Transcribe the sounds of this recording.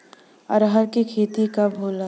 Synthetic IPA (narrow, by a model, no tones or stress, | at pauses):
ɐ̰ɾɦəɾkikʰeːt̪ikabʱoːla